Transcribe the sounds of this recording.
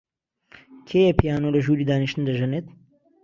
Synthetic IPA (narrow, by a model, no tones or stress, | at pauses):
kʰeːjepʰijaːnoːlɐʒuːɾiːd̪aːniʃt̪ɨnd̪ɐʒɛneːt̪